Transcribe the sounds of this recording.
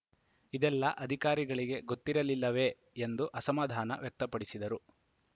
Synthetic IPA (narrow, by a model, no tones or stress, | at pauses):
id̪ɛlːɐʔɐd̪ʱikaːɾiɡɐɭiɡe̞ɡot̪ːiɾɐlilːɐʋe̞ː | nd̪uʔɐsɐmaːd̪ʱaːnɐ̰ʋjɛk̚t̪ɐpɐɽisid̪ɐɾu